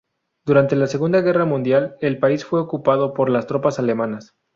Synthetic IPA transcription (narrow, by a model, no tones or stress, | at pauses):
d̪̥uɾant̪e̞lase̞ɣund̪aɣe̞ramũnd̪jale̞lpaisfwe̞okupaðo̞po̞ɾlast̪ɾo̞pasale̞manas